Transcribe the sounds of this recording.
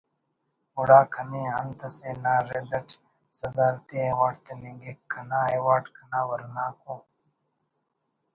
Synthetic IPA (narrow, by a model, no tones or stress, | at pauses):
uɽaːkʰɐniːɐnt̪ɐseːnaːɾed̪ɐʈʰ | sɐd̪aːlt̪eːeːwaːʈt̪ɐnĩŋɡikʰːɐnaːewaːʈkʰɐnaːwɐɾnaːkũː